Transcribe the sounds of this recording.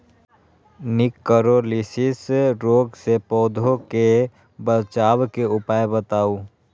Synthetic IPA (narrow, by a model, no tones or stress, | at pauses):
nɪkːəɾolisɪsɾoːɡsepɔːd̪ʱoke | bət͡ʃaːwkeʊpaːjbət̪aːu